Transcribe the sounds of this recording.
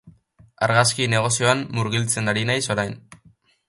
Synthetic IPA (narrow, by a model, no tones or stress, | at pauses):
a̰ɾɣaskine̞ɣ̞o̞sio̞amːuɾɣ̞ilt͡se̞naɾinajso̞ɾajn